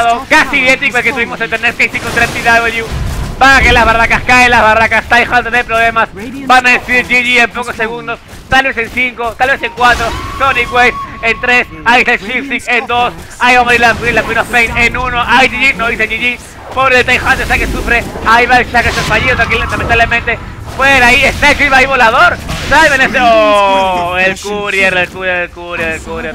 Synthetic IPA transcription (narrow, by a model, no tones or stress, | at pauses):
ðokasiiðent̪ikoelket̪uβimosent̪eɾnet̪kajsikont̪ɾet̪iðaβeljubakelazβarakaskaelazβarakast̪ajxand̪eðepɾoβle̞masbanaðesiɾʝiʝie̞mpo̞kosːe̞ɣund̪o̞s | t̪alβe̞sensiŋko̞t̪alβe̞seŋkwat̪ɾosoniɣwesent̪ɾe̞s | aiest̪alʃifsikend̪o̞s | aiβamoðiɾlafilakwinofpejnenunoʔaid͡ʒiʝinoðiseʝiʝi | poɾelt̪ajxant̪est̪akesufɾeaiβaelʃakesesfaʝiðot̪aŋkilamẽnt̪aβlemẽnt̪e̞ | pweɾaiest̪aet͡ʃiβaiβo̞lað̞oɾsalβeneseoelkuɾjeɾelkuɾjeɾelkuɾjeɾelkuɾjeɾ